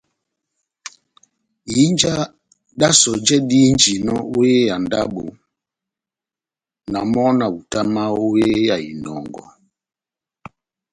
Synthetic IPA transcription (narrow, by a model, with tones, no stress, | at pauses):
ji˦nd͡ʒa˦ | ɗa˦sɔ˨d͡ʒɛ˦di˦nd͡ʒi˨nɔ˦o˦e˦ja˨nda̰˦bo˨ | na˨mɔ˦na˨u˨ta˦ma˦o˦je˦ja˨ḭ˨nɔ˨˦ŋɡɔ̰˦